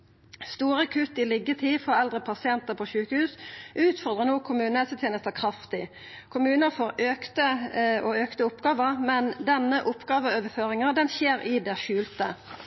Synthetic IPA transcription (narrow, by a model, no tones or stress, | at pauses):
st̪uːʁɑkʰʉt̪ɪlɪɡət̪ʰiːfɔʁɛld̪ʁəpʰɑsɪɛnt̪əʁpʰoːʃʉːkəhʉːsʔʉːt̪fɔʁd̪ʁənoːkʰʊmʉːnəɛsət̪ʰeːnəst̪əkʰʁɑft̪ɪ | kʰʊmʉːnəfoːʁøːkt̪əɔøːkt̪əʊpɡɑːʋəʁmɛnd̪ɛnːəʔʊpːɡɑːʋəøːʋəføːʁɪŋəd̪ɛnçeːɾɪd̪ɛʃʉːlt̪ə